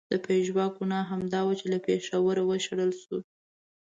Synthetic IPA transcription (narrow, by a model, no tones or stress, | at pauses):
d̪̥əpeʒwɑɡunɑɦamd̪ɑwat͡ʃelapeʂawəɾawəʃaɽəlʃu